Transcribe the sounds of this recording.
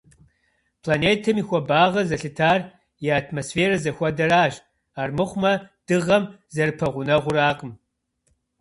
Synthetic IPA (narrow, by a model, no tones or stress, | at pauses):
pʰlaneːtʰɐmixʷɔbaːʁɐzɐɬɨtʰaːr | jɛaːtʰmosfeːrɐzɐxʷɐdɐɾaːʒ | aːrmɨχʷmɐd̥ɨʁɐmzɐrpʰɐʁʷʊnɐʁʷʊraːqʼəm